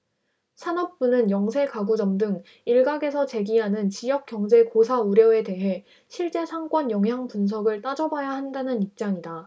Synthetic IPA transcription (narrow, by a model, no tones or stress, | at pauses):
sʰanʌp̚p͈unɯnjʌŋsʰe̞kaɡud͡ʑʌmdɯŋ | iɭɡaɡe̞sʰʌt͡ɕe̞ɡiɦanɯnt͡ɕijʌk̚k͈jʌŋd͡ʑe̞kosʰauɾjʌe̞de̞ɦe̞ | ɕʰiɭt͡ɕ͈e̞sʰaŋk͈ʌnjʌŋɦjaŋpuns̬ʰʌɡɯɭt͈ad͡ʑʌbajahandanɯnip̚t͡ɕ͈aŋida